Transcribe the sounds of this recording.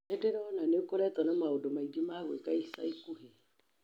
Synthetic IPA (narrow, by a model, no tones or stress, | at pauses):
ɛdɛɾɔɔnanekɔɾɛtɔnamaodomaidimaɣwḛkaesa̰ikuhe